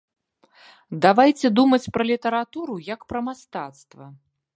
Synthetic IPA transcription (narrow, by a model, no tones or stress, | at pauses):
d̪avajt͡sʲɛd̪umɐt͡sʲpɾɐlʲit̪ɐɾat̪uɾujɐkpɾɐmast̪at̪st̪vɐ